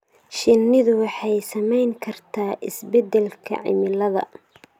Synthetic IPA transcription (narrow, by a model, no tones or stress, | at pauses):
ʃɪnːɪðʊwɑħɑjsɐmɛjŋkʰɐrt̪ʰaːʔɪsbɛd̪ɛlkʰɐ̰ʕɪ̰mɪlɐðɐ̰